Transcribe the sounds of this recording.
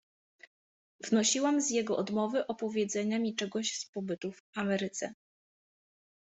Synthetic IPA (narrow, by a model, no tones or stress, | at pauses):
vnɔɕiwamzjɛɡɔʔɔd̪mɔvɘʔɔpɔvʲjɛd̪zɛɲamʲit͡ʂɛɡɔɕspɔbɘt̪ufamɛɾɘt̪sɛ̰